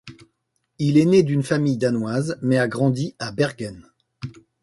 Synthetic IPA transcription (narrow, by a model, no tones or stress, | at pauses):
ilɛned̪ynfamijd̪anwazmɛaɡʁɑ̃d̪iabɛʁɡʲɛn